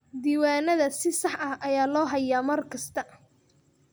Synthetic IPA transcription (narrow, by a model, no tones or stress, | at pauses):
d̪iːwaːnɐðɐsɪsɑħʔɐhʔɐjaːlɔːɦɐjaːmɐrkʰɐst̪ʰɐ